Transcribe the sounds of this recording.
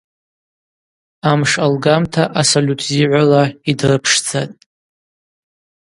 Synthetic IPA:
amʂalɡamtʰaʔasolʲutʰziʕʷalaidrɨpʰʂd͡zatʼ

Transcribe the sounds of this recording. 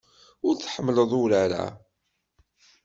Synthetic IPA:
ʊɾθħəmːələðˤʊɾaɾa̰

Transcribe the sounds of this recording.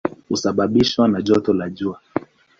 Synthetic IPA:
husaɓaɓiʃwanaʄɔtɔlaʄua

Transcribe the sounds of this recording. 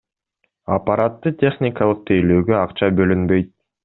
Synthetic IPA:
apaɾat̪ːɯt̪ʲʰe̞χnʲɪkɑlˠɯq̚t̪ʰejløːɡøɑqt͡ʃɑbø̞lynbø̞jt̪̚

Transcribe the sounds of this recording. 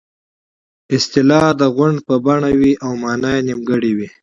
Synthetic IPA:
ɪst̪ɪlɑd̪əɣʊɳɖpəbaɳawiʔawmɑːnajnimɡəɽiwi

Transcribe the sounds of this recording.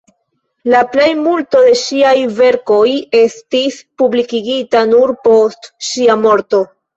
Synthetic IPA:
laple̞jmulto̞de̞ʃiajve̞ɾko̞je̞stispublikiɡitanuɾpo̞stʃiamo̞ɾto̞

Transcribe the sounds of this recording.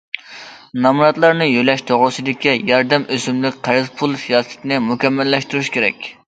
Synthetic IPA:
nɑmɾɑt̪lˠɑɾnɨjylɛʃt̪ʰoʁɾʊsɨd̪ɪkʲʰijɑɾd̪ɛmʔøzymlɪkʲqʰæɾɨzpʰulˠsijɑːsɨ̥t̪ʰɪnɨmukʲɛmːɛlːɛʃt̪uɾuʃkʲʰeɾɛ̰kʲ

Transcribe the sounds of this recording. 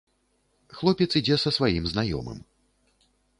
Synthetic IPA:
xlˠɔpʲɛt̪sid͡zʲɛsɐsvajimznajɔ̰mɨ̰m

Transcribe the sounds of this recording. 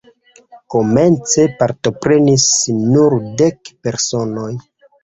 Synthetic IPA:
ko̞me̞nt͡se̞paɾto̞pɾe̞nisnuɾde̞kpe̞ɾso̞no̞j

